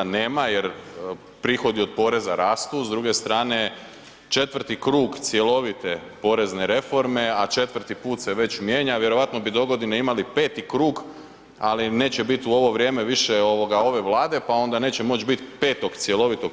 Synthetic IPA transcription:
neːmaje̞ɾ | pɾixo̞d̪io̞d̪̚po̞ːɾe̞zaɾaːst̪uzd̪ɾuɡe̞st̪ɾaːne̞ | t͡ʃe̞t̪ʋr̩t̪ikɾuːɡt̪sje̞lo̞ʋit̪e̞po̞ːɾe̞zne̞ɾe̞fo̞ɾme̞at͡ʃe̞t̪ʋr̩t̪ipuːt̪seʋe̞t͡ɕmjeːɲaʋjeɾo̞ʋat̪no̞bid̪o̞ɡo̞d̪ineimalipe̞ːt̪ikɾuːɡ | aline̞ːt͡ɕebit̪uo̞ʋo̞ʋɾʲje̞ːme̞ʋiʃeo̞ʋo̞ɡao̞ʋe̞ʋlˠaːd̪e̞pao̞nd̪ane̞ːt͡ɕemo̞t͡ʃbit̪pe̞ːt̪o̞ɡt̪sje̞lˠo̞ʋit̪o

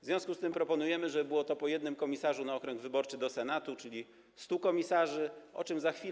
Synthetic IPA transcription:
vzvʲjɔ̃skust̪ɘmpɾɔpɔnujɛmɘʐɛbɘwɔt̪ɔpɔjɛd̪nɘmkɔmʲisaʐunaɔkɾɛŋɡvɘbɔɾt͡ʂɘd̪ɔsɛnat̪ut͡ʂɘlʲi | st̪ukɔmʲisaʐɘɔ̰t͡ʂɘmzaxfʲi

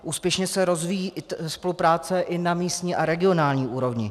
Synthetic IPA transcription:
ʔuːspjɛʃɲɛsɛɾo̞zvijiːspo̞lupɾaːt͡sɛʔɪnamiːst̪ɲiːʔaɾɛɡɪo̞naːlɲiːʔuːɾo̞vɲɪ

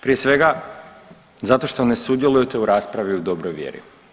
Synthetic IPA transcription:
pɾije̞sʋe̞ɡa | zat̪o̞ʃt̪o̞ne̞sud̪je̞lˠujet̪e̞uɾaːspɾaʋiud̪o̞bɾojʋjḛːɾḭ

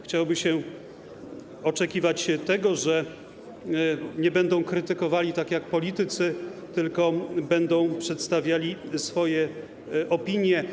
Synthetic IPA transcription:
xt͡ɕawbɘɕɛ | ɔt͡ʂɛkʲivat͡ɕt̪ɛɡɔʐɛ | ɲɛbɛnd̪ɔ̃w̃kɾɘt̪ɘkɔvalʲit̪akjak̚pɔlʲit̪ɘt̪sɘt̪ɘlkɔbɛnd̪ɔ̃w̃pʂɛt̪st̪avʲjalʲisfɔjɛ | ʔɔpʲiɲjɛ

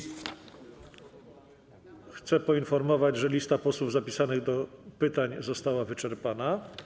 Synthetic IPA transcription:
xt̪sɛpɔinfɔɾmɔvad͡ʑʐɛlʲist̪apɔswuvzapʲisanɘɣd̪ɔpɘt̪aɲzɔst̪awavɘt͡ʂɛɾpana

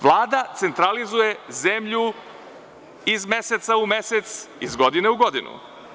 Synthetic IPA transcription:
ʋlˠaːd̪at̪se̞nt̪ɾalizuje̞zemʎu | izme̞set̪saume̞set̪sizɡo̞d̪ineuɡo̞d̪inṵ

